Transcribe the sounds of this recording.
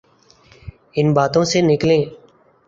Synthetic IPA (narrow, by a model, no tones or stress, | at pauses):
ɪnbaːt̪õːseːnɪklẽː